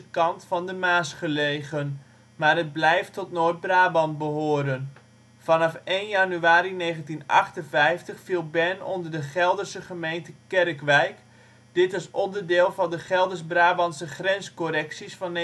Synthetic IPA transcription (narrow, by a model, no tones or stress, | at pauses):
kɑntfɑndəmaːsχəlejɣən | maːrəd̚blɛjftɔtnoːt̚braːbɑnbəɦoːɾən | fɑnɑfeːnjanyaːɾineːɣəntinɑ̰χtənvɛjftəχfilˠbɛnɔ̰ndərdəχɛlˠdərsəχəmejntəkɛrkʋɛjk | d̥ɪtɪsɔndərdɪːlˠvɑndəχɛlˠdərsbraːbɑnsəχrɛnskorɛksisfɑn